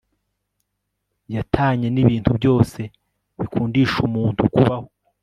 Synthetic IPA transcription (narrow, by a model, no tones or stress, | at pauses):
jatʰaːɲe̞niβiːntubɟo̞ːse̞ | βikʰuːndiʃumuːntukuβaho̞